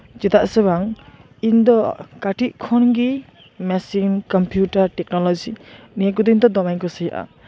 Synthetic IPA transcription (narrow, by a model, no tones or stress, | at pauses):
zit̪aʔsebaŋ | ind̪ɔkaʈiʔ̚kʰɔnɡi | mɛsinkɔmpʰjutaɾʈɛk̚nɔlɔd͡ʒinijaɡud̪ind̪ɔd̪ɔmajkɔseɦiʔa̰